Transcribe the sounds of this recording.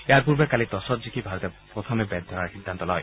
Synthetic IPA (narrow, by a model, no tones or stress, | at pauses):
eaɹpuɹbɛkalit̪ɔsɔtzikʰibʱaɾɔt̪epɹɔt̪ʰɔmɛbɛd̪ʱɔɹaɹxid̪ʱːant̪ɔlɔ̰j